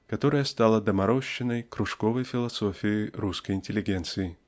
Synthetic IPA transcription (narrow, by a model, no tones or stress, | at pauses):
kat̪ɔɾɐjəst̪alˠɐd̪ɐmaɾɔɕːɪnɐjkɾuʂkɔvɐjfʲɪlˠasɔfʲijiɾuskəjinʲtʲɪlʲɪɡʲɛnt̪sɨji